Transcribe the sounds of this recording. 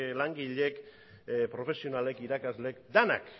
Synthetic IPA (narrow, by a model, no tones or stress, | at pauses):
laŋɡiʎe̞k | pɾo̞fe̞sio̞nale̞kiɾakazle̞kd̪ena̰k